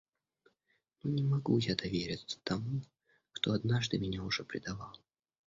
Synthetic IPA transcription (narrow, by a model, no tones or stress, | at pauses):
nunʲɪmɐɡujad̪ɐvʲeɾʲɪt̪sə̥t̪ɐmu | kt̪oɐd̪naʐd̪ɨmʲɪnʲaʊʐɛpɾʲɪd̪ɐvalˠ